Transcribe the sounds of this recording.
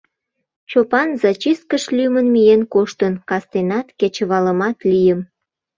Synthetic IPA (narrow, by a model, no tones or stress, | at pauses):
t͡ɕopɑnzɑt͡ɕis̚kəʃlymənmijenkoʃt̪ənkɑst̪enɑt̪ket͡ɕə̆βɑləmɑt̪lijəm